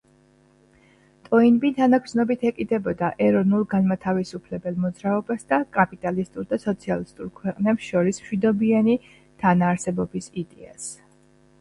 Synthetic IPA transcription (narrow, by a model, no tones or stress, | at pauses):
t̪ʼɔinbit̪ʰanakʰsnɔbit̪ʰɛkʼid̪ɛbɔd̪aʔɛɾɔvnulˠɡanmat̪ʰavisupʰlɛbɛlˠmɔd̪zɾaɔbasd̪akʼapʼit̪ʼalist̪ʼuɾd̪asɔt̪sʰialist̪ʼuɾkʰwɛqʼnɛpsʃɔɾism̥ʃwid̪ɔbiani | t̪ʰanaːɾsɛbɔbisid̪ɛa̰s